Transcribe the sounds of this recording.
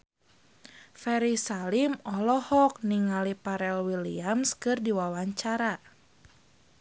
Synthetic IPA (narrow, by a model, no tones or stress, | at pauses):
fɛɾisalimɔlɔhɔk̚niŋalipaɾɛlwilḭamskɨrdiwawaɲt͡ʃaɾa